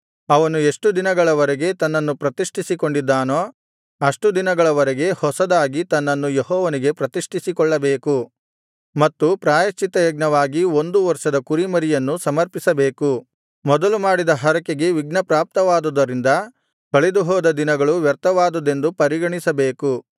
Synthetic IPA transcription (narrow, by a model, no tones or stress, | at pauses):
ɐʋɐnue̞ʂʈud̪inɐɡɐɭɐʋɐɾɛɡe̞t̪ɐnːɐnːupɾɐt̪iʂʈʰisiko̞ɳɖid̪ːaːnoː | ɐʂʈud̪inɐɡɐɭɐʋɐɾɛɡe̞hɔsɐd̪aːɡit̪ɐnːɐnːujeɦɔːʋɐniɡe̞pɾɐt̪iʂʈʰisikɔɭːɐbeːku | mɐt̪ːupɾaːjɐt͡ʃːit̪ɐjɐɡ̚nɐʋaːɡiond̪uʋɐɾʂɐd̪ɐkuɾimɐɾijɐnːusɐmɐɾpisɐbe̞ːku | mɔd̪ɐlumaːɽid̪ɐɦɐɾɐkeɡe̞ʋiɡ̚nɐpɾaːp̚t̪ɐʋaːd̪ud̪ɐɾind̪ɐ | k̪ɐɭed̪uɦɔːd̪ɐd̪inɐɡɐɭuʋjɐɾt̪ɐʋaːd̪ud̪e̞nd̪upɐɾiɡɐɳisɐbe̞ːku